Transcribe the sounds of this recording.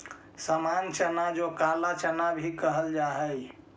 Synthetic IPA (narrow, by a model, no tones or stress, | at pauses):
samant͡ʃənad͡ʒokalat͡ʃənabʱikəɦəld͡ʒaɦəj